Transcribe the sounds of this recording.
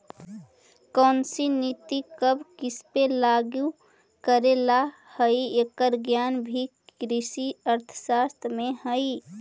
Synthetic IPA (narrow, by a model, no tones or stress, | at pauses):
kənsinit̪ikəbʱkispelaɡju | kəɾela | həiekəɾɡjanbʱi | ɾisiəɾt̪ʰə̥sast̪ʰɾmẽhəi